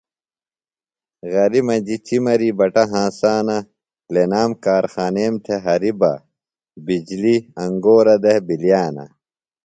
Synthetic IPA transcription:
ɣɐɾimɐd͡ʑit͡ɕimɐɾibɐʈɐɦãːsaːnɐ | lenaːmkaːɾxaːneːmt̪ʰeɦɐɾibɐ̰ | bid͡ʑliɐŋɡoːɾɐd̪ehbiljaːnɐ̰

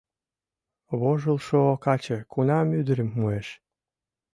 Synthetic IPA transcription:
βoʒəlʃookɑt͡ɕə̆kʰunɑmyd̪əɾəmːueʃ

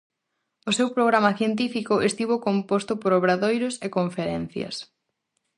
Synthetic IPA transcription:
ʊsewpɾoɣ̞ɾamɐθjent̪̬ifikʊʔest̪iβokompost̪ʊpoɾoβɾaðojɾʊsekoɱfeɾɛn̟θjɐ̰s

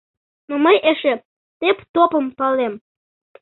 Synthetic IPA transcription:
noməjeʃe | t̪ept̪opəmpɑlem

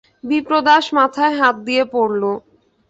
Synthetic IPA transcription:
bipɾod̪aʃmat̪ʰaeɦat̪̚d̪ijepoɾlo

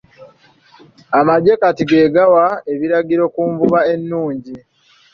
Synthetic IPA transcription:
amaɟe̞katiɡe̞ːɡawae̞βiɾaɡiɾo̞kuɱvuβae̞nːuːɲɟi

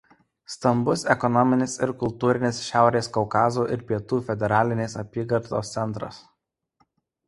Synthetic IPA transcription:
st̪ɐmbʊsɛkɔnɔmʲɪnʲɪsɪɾkʊlˠt̪uːɾʲɪnʲɪsʃʲæˑʊɾʲeːskɔʊkɑːzuːʔɪɾpʲiɛt̪uːfʲɛd̪ʲɛɾɑːlʲɪnʲeːsɐpʲiːɡɐɾt̪oːst̪sʲɛnˑt̪ɾɐ̰s

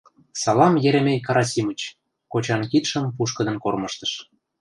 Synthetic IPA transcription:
sɑlɑmjeɾĕmenʲkɑɾɑsʲimət͡ɕ | kot͡ɕɑnkit̪ʃɤ̆mpuʃkə̆d̪ɤ̆nkormɤʃt̪ə̥̆ʃ

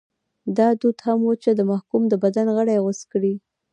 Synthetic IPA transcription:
d̪ɑd̪ud̪hamwot͡ʃed̪əmahkumd̪əbad̪anɣəɽajɣʊskɽi

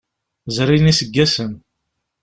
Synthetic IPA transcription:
zɾinisəɡːæsən

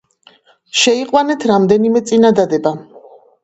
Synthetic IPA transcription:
ʃɛiqʼwanɛt̪ʰɾamd̪ɛnimɛt̪sʼinad̪ad̪ɛba

